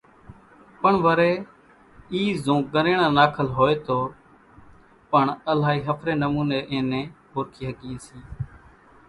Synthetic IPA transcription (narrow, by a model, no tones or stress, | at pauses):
pəɳʋəɾeː | iːzõːk̚ɠəɾẽːɽ̃ãːnaːkʰəlɦoːeːt̪oː | pəɳəlaːɦiːɦəpʰɾeːnəmuːneːʔẽːnẽːɦoːɾkʰiːɦəɠĩːsĩː